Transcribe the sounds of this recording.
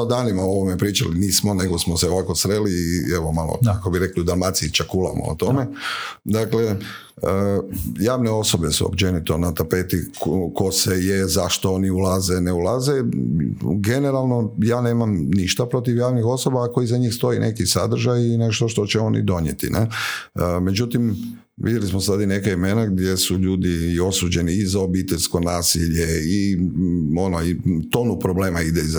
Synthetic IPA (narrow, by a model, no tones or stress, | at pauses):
od̪aːnimaoʋomepɾiːt͡ʃa̰liniːsmone̞ɡo̞smoseoʋako̞sɾeliːeʋo̞malo̰kakobiɾekliud̪almat̪siit͡ʃakulˠa̰mo̰o̰t̪omed̪akle | əjaːʋneo̞so̞be̞sṵo̰pt͡ʃenit̪o̞nat̪apet̪iko̞sejezaʃt̪o̞oniulazeneulˠaze | ɡe̞neɾalˠno̞jaːne̞ːmamniʃt̪apɾo̞t̪iʋjaːʋnixo̞so̞baːko̞jizaɲiːxst̪o̞inʔe̞kisa̰d̪r̩ʒajine̞ʃt̪o̞ʃt̪o̞t͡ɕɛo̞nḭd̪o̞ɲḛt̪ḭnʔḛ | me̞d͡ʒut̪im | ʋḭd̪jelismosad̪aine̞kaime̞naɡd̪je̞suʎuːd̪io̞sud͡ʒe̞niizaobit̪eʎʲsko̞naːsiʎei | o̞noit̪o̞ːnupɾo̞bleːmaid̪eiz